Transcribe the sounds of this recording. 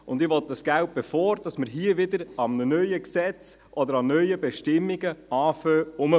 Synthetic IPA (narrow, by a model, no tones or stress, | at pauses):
ʊnd̪ɪʋɔt̪̚d̥ɑsɡ̥æwt̚b̥ɛfɔːɾd̥ɑsməɾɦiəʋɪd̪əɾɑmnənœʏəksɛt͡s | ʔɔd̪əɾɑnœjəbɛʃtɪmːiɡəɑːføːʊmə